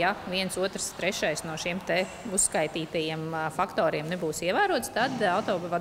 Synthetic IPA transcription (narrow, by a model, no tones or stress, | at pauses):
jaʋiɛnsuɔt̪ɾst̪ɾɛʃajsnuɔʃimt̪ɛ | usːkajt̪iːt̪ajiɛmfakt̪ɔːɾiɛmnebuːsiɛʋæːɾuɔt̪st̪ad̪aʊt̪ɔːbva